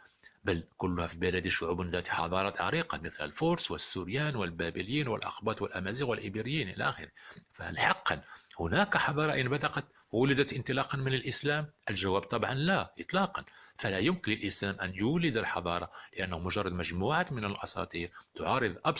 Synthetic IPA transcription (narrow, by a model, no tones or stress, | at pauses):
bælkʊlːʊhæfibəlæd̪iʃʊʕubnd̪æt̪iħɑ̰d̪ˤɑɾˤɑt̪ʕɑ̰ɾiqɑmət̪lə̰lfʊɾswəsːʊɾjænwəlbæbəljinwə̰lʔɑ̰xbɑt̪ˤwəlʔæmæzixwəlʔibiɾəjːinʔilæ̰ʔæxəɾəfæ̰lħɑqːɑnhʊnækħɑd̪ˤɑɾˤɑʔənbæd̪æqɑt̪ | wʊləd̪æt̪ʔənt̪əlɑqɑnmənəlʔəslæmʔəlʒæwæb̚t̪ˤɑbʕɑnlæʔət̪ˤlɑqɑnfælæjʊmkənləlʔəslæmʔænjʊwlːəd̪əlħɑ̰d̪ˤɑɾˤɑləʔænːhumʊʒɑrˤːɑd̪mæʒmuʕat̪mənəlʔɑsˤɑ̰t̪ˤiɾt̪ʊʕɑɾˤəðˤʔɑb